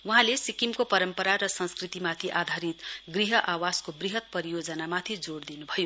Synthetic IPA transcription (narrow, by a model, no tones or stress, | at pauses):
wuɦãlesikimkopʌɾʌmpʌɾaɾʌsʌ̃nskrit̪imat̪ʰiʔad̪ʱaɾit̪ɡriɦʌʔawaskobriɦʌt̪̚pʌɾijod͡zʌnamat̪ʰid͡zoɽd̪inubʱʌjo